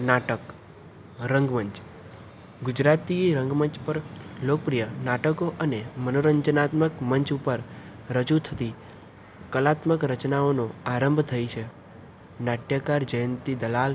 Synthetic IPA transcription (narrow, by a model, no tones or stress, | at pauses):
naʈək | ɾəŋɡməɲt͡ʃ | ɡʊd͡ʒɾat̪iɾə̃ŋɡməɲt͡ʃpəɾlokəpɾijənaʈəkoʔənemənoɾəɲd͡ʒənat̪məkməɲt͡ʃupəɾɾəd͡ʒut̪ʰət̪i | kəlat̪məkɾət͡ʃnaonoaɾəmbʱt̪ʰəjt͡ʃʰe | naʈjakaɾd͡ʒəjənt̪id̪əlal